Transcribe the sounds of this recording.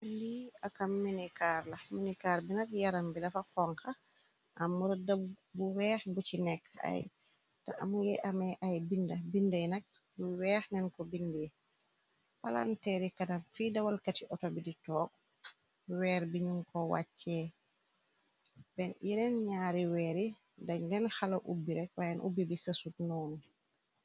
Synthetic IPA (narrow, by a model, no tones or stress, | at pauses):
ndiakamːinikaːɾlɐminikaːɾbinɐkjaɾambilɐfakɔŋka | ʔamuɾdabuwɛːxbut͡ʃinɛkːa̰j | taʔa̰mujɛʔamɛʔajbindɐbindajnɛk̚ | buwɛːxnɛnkɔbindi | pala̰ntɛɾikadamfidawalkatiʔɔtɔbiditɔːk̚ | wɛːɾbiɲuŋkɔwa̰t͡ʃːɛ | bɛnjinɛnɲaːɾiwɛːɾi | daɲdɛnxalaʔṵbːiɾɛk̚wajɛnʔṵbibisasutnɔːnu